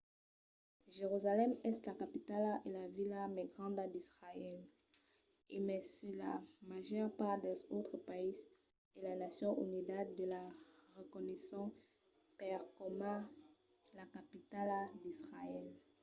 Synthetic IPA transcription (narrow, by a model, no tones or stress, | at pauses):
ʒeʁyzalɛmɛslakapit̪alelavilamɛɡʁɑ̃d̪ad̪isʁaɛl | emɛsyla̰maʒœʁpaʁd̪ɛzot̪χəpais | elanasjɔ̃ʔy̰nid̪at̪d̪əlaʁəkɔnɛsɔ̃ | pɛʁkɔmã | lakapit̪alad̪isʁaɛl